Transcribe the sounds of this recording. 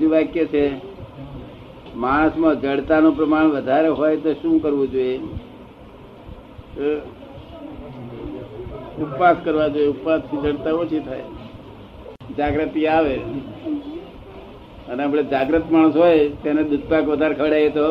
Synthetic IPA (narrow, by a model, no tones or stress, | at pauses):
d͡ʒ̪uʋakjət͡ʃʰe | maɽ̃əsmãd͡ʒəɽt̪anõpɾəmaɽ̃ʋəd̪ʱaɾeɦojt̪oʃũkəɾʋũd͡ʒoje | t̪o | up̪paskəɾʋad͡ʒojeup̪past̪ʰid͡ʒəɽt̪aot͡ʃʰit̪ʰaj | d͡ʒaɡɾət̪iaʋe | əneapɭed͡ʒaɡɾət̪maɽəsɦojt̪aned̪ud̪̚ʱpakʋəd̪ʱaɾkʰəɽaet̪o